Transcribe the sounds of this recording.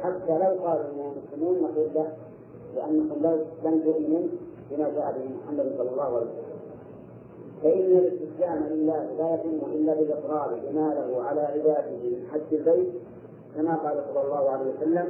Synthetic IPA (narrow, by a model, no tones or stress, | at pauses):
ħat̪ːalawqɑːlʔɪnːamʊslɪmuːnːɑquːlːah | lɪʔanːakʊmbabant̪ʊʔmɪnuːnbɪmaːd͡ʒaːʔabɪmʊħamːad̪ɪnsˤɑlːɑlˤːɑːhʊʕa̰ljwasalːa | faʔɪnːalɪst̪ɪslaːmalɪlːaːhlaːjat̪ʊmːʊʔɪlːabɪlʔɪsˤɾɑːlbɪmaːlaɦʊʕalaːʕɪbaːd̪ɪhɪmɪnħadːɪlbajt̪̚ | kamaːqɑːlasˤɑlːɑlˤːɑːhʊʕalaːwasalːam